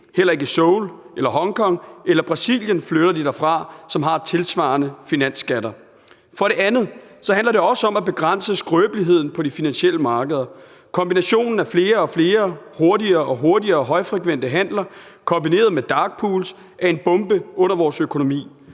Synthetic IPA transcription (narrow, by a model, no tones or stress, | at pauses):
hel̰ɐe̝ɡ̥əsɔʊlʔelɐɦɒ̽ŋkʰɒ̽ŋ̰elɐb̥ʁɑ̈sḭljənfløɾ̥ɐd̥id̥æfʁɑ̈sɒ̽mɦɑ̈t͡sʰe̝lsʋɑ̈ːnəfinæn̰sɡ̥æɾɐ | fɒ̽ɾe̝ænð̞̩ˠ | sɒ̽ɦændlɐde̝ɒ̽səɒ̽mæb̥e̝ɡ̥ʁan̰səsɡ̥ʁøːb̥əliɦe̝ð̰ˠn̩pʰɒ̽difinænɕiel̰əmɑ̈ːɡ̥əð̞ˠɐ | kʰɒ̽mbinæɕo̝̰ːnn̩æfle̝ːɐɒ̽fle̝ːɐho̝ɐdiɐʔɒ̽ɦo̝ɐdiɐːɦɒ̽ɪfʁɛkʰʋen̰d̥əɦæn̰lɐkʰɒ̽mbine̝̰ːɐðˠmed̥ɑ̈ːɡ̥̚pʰuːls | ʔæɐe̝nb̥ɔ̽mb̥əʔɔ̽n̰ɐʋɒːsøkʰo̝no̝mḭː